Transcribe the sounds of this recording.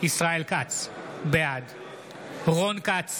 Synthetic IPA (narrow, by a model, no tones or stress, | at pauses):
isʁaelkat͡sbead | ʁonkat͡s